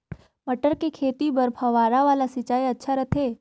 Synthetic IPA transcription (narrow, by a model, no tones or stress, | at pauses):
mɐʈəɾkekʰeːt̪ibɐɾpʰɐʋaːɾaʋaːlasɪːt͡ʃaːiɐtːʃʰaɾɐt̪ʰeː